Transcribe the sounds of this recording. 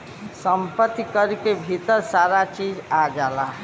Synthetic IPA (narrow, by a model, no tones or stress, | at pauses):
səmpət̪ːikəɾkebʱit̪əɾsaɾat͡ʃid͡ʒad͡ʒalaɦ